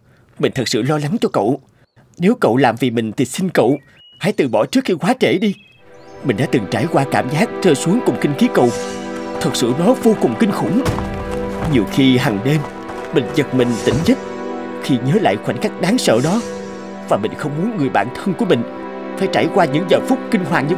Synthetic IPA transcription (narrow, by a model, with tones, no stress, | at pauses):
mï˨˩ŋ̟t̪ʰə˨˩t̚sɨ̰˧˨lɔ˧la˨˦ŋt͡ɕɔ˧kə̰˧˨w | ne˨˦wkə̰˧˨wlaː˨˩mvi˨˩mï˨˩ŋ̟t̪ʰi˨˩si˧ŋ̟kə̰˧˨w | ha̰˧˥jt̪ɨ˨˩ɓɔ˧˩t͡ɕɨ˦˥kxi˧kwaː˨˦t͡ɕe˧˩ɗi˧ | mï˨˩ŋ̟ɗa̰ː˧˥t̪ɨ˨˩ŋt͡ɕaː˧˩jkwaː˧kaː˧˩mzaː˦˥k̚t͡ɕəː˧jsu˨˦əŋkʊ˨˩ŋ͡mkï˧ŋ̟ki˨˦kə̰˧˨wt̪ʰə˨˩t̚sɨ̰˧˨nɔ˨˦vo˧kʊ˨˩ŋ͡mkï˧ŋ̟xʊ̰˧˩˦ŋ͡m | ɲi˨˩əwxi˧ɦa˨˩ŋɗe˧m | mï˨˩ŋ̟zə˨˩t̚mï˨˩ŋ̟t̪ï˧˩ŋ̟zə˦˥t̚ | xi˧ɲəː˨˦la̰ː˧˨jxwa˧˩jŋ̟kaː˦˥k̚ɗaː˨˦ŋsə̰ː˧˨ɗɔ˨˦ | vaː˨˩mï˨˩ŋ̟xə˧wŋ͡mmu˨˦ənŋɨ˨˩əjɓa̰ː˧˨nt̪ʰə˧nku˧˩əmï˨˩ŋ̟ | faː˧˩jt͡ɕaː˧˩jkwaː˧ɲɨ̰˧˥ŋzəː˨˩fʊ˦˥k͡p̚kï˧ŋ̟ɦwaː˨˩ɲɨ˧